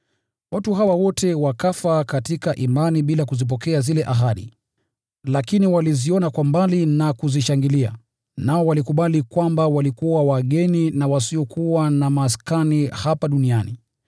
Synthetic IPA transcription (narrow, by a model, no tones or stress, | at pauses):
watuɦawawɔtɛwakafakatikaʔimaniɓilakuzip̬ɔkɛazilɛʔaɦaɗḭ | lakiniwaliziɔnakwambalinakuziʃaŋɡilia̰ | naɔwalikuɓalikwambawalikuwawaɠɛninawasiɔkʰuwanamaːskanihapaɗuniani